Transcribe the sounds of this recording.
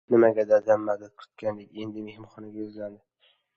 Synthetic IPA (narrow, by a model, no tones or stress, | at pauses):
nɪmaɡʲad̪ad̪amːad̪at̪̚qʰɨ̥t̪̚kʲʰand̪ekʲe̞nd̪ɪme̞hɪmχɒnɪɡʲajʊzlad̪ɪ